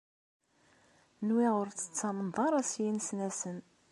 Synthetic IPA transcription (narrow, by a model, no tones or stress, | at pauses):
nwiʁʊɾt͡sːə̥t͡sːɑmənðˤɑɾˤæsjinsnæsən